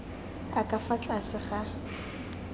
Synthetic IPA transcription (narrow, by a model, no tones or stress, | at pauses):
akʼafat͡ɬʼasɪχa